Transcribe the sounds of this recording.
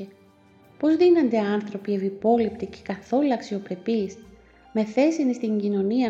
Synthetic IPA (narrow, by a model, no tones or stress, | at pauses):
e | po̞zðinɐnd̪e̞ɐnθɾo̞pievipo̞lipt̪ice̥kɐθo̞lɐksio̞pɾe̞pis | me̞θe̞sinist̪iɲɟino̞niɐ